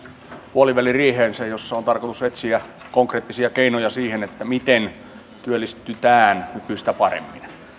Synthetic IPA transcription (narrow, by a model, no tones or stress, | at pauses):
puoliʋælirieːheːnsæjosːɑont̪ɑrkot̪uset̪siækoŋkreːt̪ːisiɑkeinojɑsiːhenet̪ːæmit̪en | t̪yølːist̪ːyt̪æːnnykyist̪æpɑrḛmːḭn